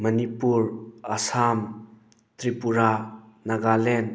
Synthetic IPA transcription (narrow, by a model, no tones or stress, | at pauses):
mɐnipuɾɐsam | t̪ɾipuɾanaɡalen